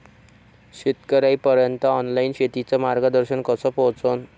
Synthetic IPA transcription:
ɕit̪kəɾajpəɾjənt̪əːnlainɕet̪it͡sɔmaɾɡəd̪əɾɕənkəsɔpɔɦt͡son

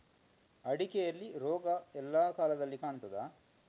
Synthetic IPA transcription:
ɐɽikɛjɐlːiɾɔːɡɐɛlːaːkaːlɐd̪ɐlːikaːɳut̪ɐd̪aː

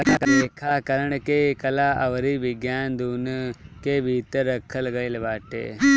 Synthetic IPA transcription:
aəeːkʰaːkəɾəɳkeːkəlaːʔəʋɾiːbɪɡjaːnd̪uːnkebʱiːt̪əɾəkʰələɡaːĩːləbaːʈḛː

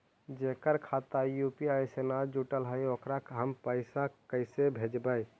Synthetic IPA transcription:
d͡ʒekəɾkʰat̪ajupiajsenad͡ʒuʈəlɦəjokɾakɦəmpəɪsakəɪsebʱed͡ʒbəj

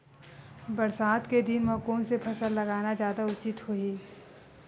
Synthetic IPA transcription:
bɐɾsaːt̪ked̪ɪnmɐkuːnsepʰɐsəlːɐɡaːnazjaːd̪aʊt͡ʃɪt̪hoiː

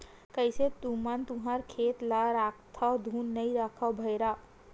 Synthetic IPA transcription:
kəɪset̪umənt̪uɦaɾkʰet̪laɾakt̪ʰad̪ʱuːnːəiɾakʰəbʱəjɾa

